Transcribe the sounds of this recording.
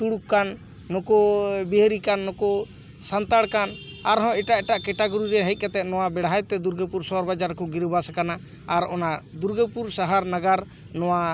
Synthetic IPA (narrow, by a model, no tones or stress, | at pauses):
t̪uɽukkːanː | ɔkɔbiɦɾikanːɔkɔ | sant̪aɽkanaɾɦɔ̃ɛʈaʔɛʈaʔkɛʈaɡɔɾiɾɛɦəc̪̚ˀkat̪ɛt̪̚nɔwabɛɽɦajt̪ɛd̪uɾɡəpuɾsɔɾbad͡ʒaɾkɔɡiɾbasakanaː | ɾɔnad̪uɾɡəpuɾsaɦaɾnaɡaɾ | nɔwa